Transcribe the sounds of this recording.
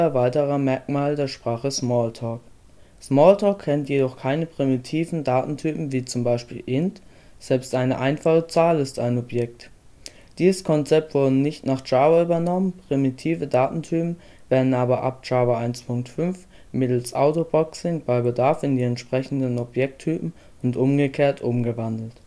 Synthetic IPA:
ɛɐvaɪtəʁɐmɛɐkmaːldeːɐʃpʁ̥aːχəsmɔːltʰɔːk | smɔːltʰɔːkʰːɛntjedɔχkʰaɪnəpʁ̥imitʰiːvn̩daːtn̩tʰyːpm̩viːt͡sʊmbaɪʃpḭːlʔɪnt | z̥ɛlpstʔaɪnəʔaɪnfaχət͡saːlɪstaɪnɔpjɛk̚t | d̥iːzəskʰɔnt͡sɛp̚tv̥ʊɐdənɪçtnaːχt͡ʃaːvɐyːbɐnɔmənpʁ̥imitʰiːvədaːtn̩tʰyːpm̩ | v̥eːɐdn̩aːbɐʔa̰p̚t͡ʃaːvɐʔaɪnspʰʊŋk̚tfʏnf | mɪtl̩sʔaʊtobɔksɪŋb̥aɪbədaɐfɪndiːɛntʃpʁ̥ɛçn̩dənɔpjɛk̚tʰyːpm̩ | ʊntʔʊmɡəkʰeːɐtʰʔʊmɡəvandl̩t

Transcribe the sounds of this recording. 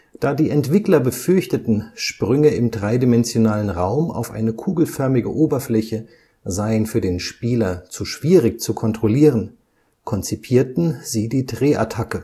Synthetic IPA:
d̥aːdiːɛntv̥ɪklɐbəfʏɐçtətn̩ʃpʁ̥ʏŋəɪmdʁaɪdimɛnzjonaːlənʁaʊma̰ʊfʔa̰ɪnəkʰuːɡl̩fœɐmɪɡə̰ʔoːbɐflɛçə | zaɪənfyːɐdeːnʃpiːlɐt͡suʃv̥iːʁɪkt͡sukʰɔntʁ̥oliːʁən | kʰɔnt͡sipʰiːɐtn̩ziːdiːdʁeːʔa̰tʰakə

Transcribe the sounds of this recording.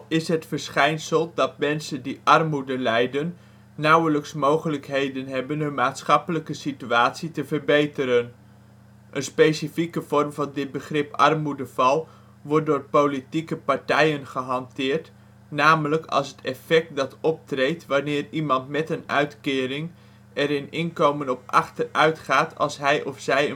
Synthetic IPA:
ɪsɦətfəɹsχɛjnsəlˠdɑt̚mɛnsəndiʔɑrmudəlɛjdənː | ʌwələksmowχələkɦejdənɦɛbənɦɵnmaːtsχɑpələkəsityaːtsitəvəɹbejtəɾən | ʔənspejsifikəv̥ɔrmvɑndɪd̚bəχrɪpɑ̰rmudəvɑlˠ | ʋɔɹt̚dʊːɹpolitikəpɑɹtɛjənχəɦɑntɪːɹt | naːmələkɑ̰lˠsətɛfɛk̚t̚dɑtɔp̚trejtʋanɪːrimɑntmɛtənœ̰ɥtkɪːɾɪŋ | ɛɾɪnɪnkowmənɔpɑ̰χtərœɥtχaːtʰɑ̰lˠsɦɛjʔɔfsɛjə

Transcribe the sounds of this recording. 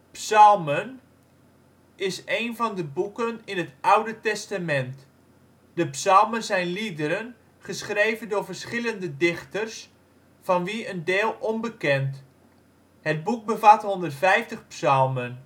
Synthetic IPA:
psɑlˠmən | ɪsejnvɑndəbukənɪnɦətʌwdətɛstamɛnt | d̥əpsɑlˠmənzɛjnlidəɾən | χəsχrejvəndʊːɹvərsχɪləndədɪχtərs | fɑnʋiəndɪːlˠɔnbəkɛnt | həd̚buk̚bəvatɦɔndərtfɛjftəχpsɑlˠmən

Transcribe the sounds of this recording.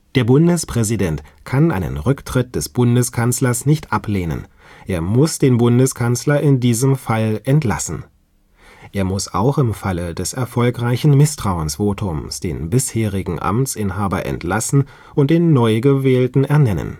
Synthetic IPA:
d̥eːɐbʊndəspʁ̥ɛzidɛntkʰanʔa̰ɪnə̰nʁʏktʁ̥ɪt̚d̥ɛsb̥ʊndəskʰanslɐsnɪçtʔapleːnə̰n | ʔeːɐmʊsd̥eːnbʊndəskʰanslɐʔɪndiːzəmfalʔɛntla̰sn̩ | ʔeːɐmʊsa̰ʊxɪmfalədɛsɛɐfɔlkʁaɪçn̩mɪstʁ̥aʊənsv̥oːtʰʊmsd̥ḛːnbɪsheːʁɪɡŋ̩ʔa̰mt͡sʔɪnɦaːbɐ̰ʔɛ̰ntlasn̩ | ʔʊnt̚d̥eːnːɔʏɡəvɛːltn̩ɛɐnɛnə̰n

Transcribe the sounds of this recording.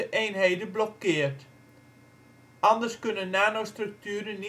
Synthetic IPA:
əʔejnɦejdəblɔkːɪːərt | ʔɑndərskɵnənnaːnostrɵk̚tyːɾəni

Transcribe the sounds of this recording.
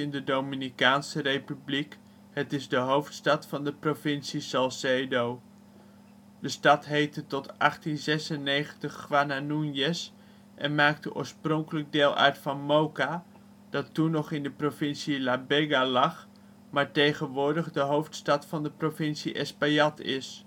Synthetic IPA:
ɪndədowminikaːnsərejpyblik | ɦətɪzdəɦowftstɑtfɑndəprovɪnsisɑlˠsedow | dəstɑtɦejtətɔtʔɑχtinzɛsənejχəntəχːʋananunjɛs | ʔɛnmaːktəʔʊ̰ːɹsprɔŋkələɡ̚deːlˠʔœ̰ɹtfɑnmowka | d̥ɑtunɔχɪndəprovɪnsilabɛɡalɑχ | maːɹtejχənʋʊːɹdəχdəɦowftstɑtfɑndəprovɪnsiʔɛ̰spajɑtɪ̰s

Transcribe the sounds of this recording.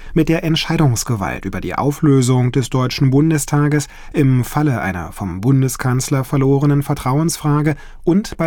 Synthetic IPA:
mɪt̚d̥eːɐʔɛntʃaɪɾʊŋsɡ̥əva̰ltʔy̰ːbɐdḭːʔa̰ʊfløːzʊŋd̥ɛsd̥ɔʏt͡ʃn̩bʊndəstʰaːɡəs | ʔɪmfaləʔa̰ɪnɐ̰fɔmbʊndəskʰanslɐfɛɐloːʁənənfɛɐtʁ̥aʊənsfʁ̥aːɡə | ʔʊntb̥a

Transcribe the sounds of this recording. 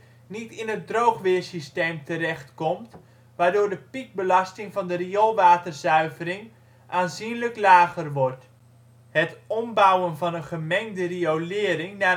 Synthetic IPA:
nitɪnɦət̚drowχʋɪːrsisteːmtərɛχtkɔmt | ʋaːɹdʊːdəpik̚bəlɑstɪŋvɑndəriɔlˠʋaːtərzœɥvərɪŋ | ʔaːnzinləklaːɣərʋɔrt | hətɔmbawənvɑnənχəmɛŋdəriowlɪːəɾɪŋna

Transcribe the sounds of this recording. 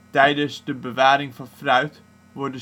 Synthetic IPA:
tɛjdəsdəbəʋaːɾɪŋvɑnfrœɥt | ʋɔrdə

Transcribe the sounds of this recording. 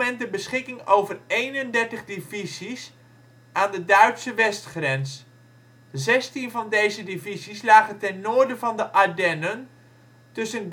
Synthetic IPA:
ɛntdəbəsχɪkɪŋowvərejnəndɛɹtəχdivizis | ʔaːndədœɥtsəʋɛstχrɛns | zɛstinvɑndejzədivizislaːχəntɛnːʊːɹdəvɑndəʔadɛnən | tɵsən

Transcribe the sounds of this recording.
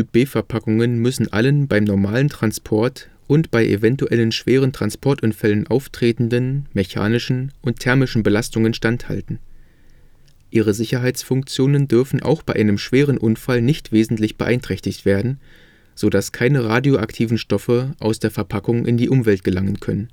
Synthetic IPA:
yːb̥eːfɛɐpʰakʊŋənmʏsn̩ʔa̰lənbaɪmnɔɐmaːləntʁ̥anspʰɔɐt | ʔʊntb̥aɪʔḛvɛntuʔɛlənʃv̥eːʁ̞əntʁ̥anspʰɔɐtʔʊnfɛlənʔaʊftʁ̥eːtn̩dənmeça̰ːnɪʃn̩ʔʊntʰːɛɐmɪʃn̩bəlastʊŋənʃtantha̰ltn̩ | ʔiːʁ̞əzɪçɐɦaɪt͡sfʊŋk̚t͡sjoːnəndʏɐfn̩ʔa̰ʊxb̥aɪʔaɪnəmʃv̥eːʁ̞ənʔʊnfalnɪçtv̥eːzn̩tlɪçb̥əʔaɪntʁ̥ɛçtɪçtv̥eːɐdn̩ | z̥oːdaskʰaɪnəʁaːdjoʔaktʰiːvn̩ʃtɔfəʔaʊsd̥eːɐfɛɐpʰakʊŋʔɪ̰ndiːʔʊmvɛlt̚ɡ̥əlaŋənkʰœ̰nən

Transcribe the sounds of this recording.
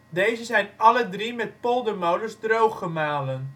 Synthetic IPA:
dejzəzɛjnʔɑlədrimɛt̚polˠdəmowdəzdrowχəmaːlən

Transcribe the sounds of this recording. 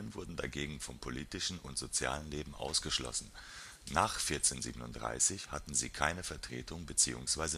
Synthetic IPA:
ənvʊɐdn̩da̰ɡeːɡŋ̩fɔmpʰoliːtɪʃn̩ʊntz̥ot͡sja̰ːlənleːbm̩ʔa̰ʊsɡ̥əʃlɔ̰sn̩ | naːχfɪɐt͡seːnziːbənʊntd̥ʁa̰ɪsɪçhatn̩zḭːkʰaɪnəfɛɐtʁ̥ḛːtʰʊŋbət͡siːʊ̰ŋsv̥aɪzə

